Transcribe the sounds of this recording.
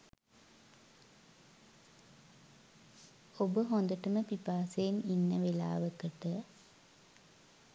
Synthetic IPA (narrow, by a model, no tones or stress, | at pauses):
obəɦond̪əʈəməpipaːsejeninːəʋela̰ːʋəkəʈə